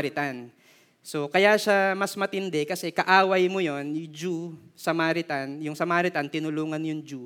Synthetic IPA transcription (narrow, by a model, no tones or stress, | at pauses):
ɾɪt̪an | so̞kɐjaʃamɐsmɐt̪ɪnd̪ɛkɐsɛkɐʔaːwɐjmojo̞njʊd͡ʒusɐmaːɾɪt̪anjʊŋsɐmaːɾɪt̪ant̪ɪnʊluːŋɐnjʊŋd͡ʒu